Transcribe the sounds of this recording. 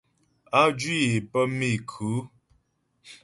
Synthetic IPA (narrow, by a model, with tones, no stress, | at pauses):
a˦d͡ʒwi˦je˨pə˦mi˦˨kʰu˨˦